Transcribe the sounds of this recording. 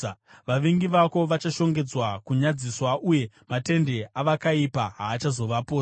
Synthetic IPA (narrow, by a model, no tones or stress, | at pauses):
ʋaʋiŋɡiʋako̞ʋat͡ʃaʃo̞ŋɡe̞d͡zwakuɲad͡ziswaʔuje̞ | mate̞nde̞aʋakaipaɦaːt͡ʃazo̞ʋapo̞ːsa